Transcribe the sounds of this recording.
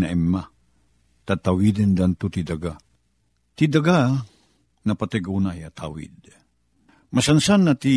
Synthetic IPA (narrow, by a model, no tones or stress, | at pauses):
naʔɛmːa | t̪at̪awid̪ɛnd̪ant̪ut̪id̪aɡa | t̪id̪aɡa | napat̪ɛɡunajat̪ʰa̰wḭd̪ | masansanːat̪i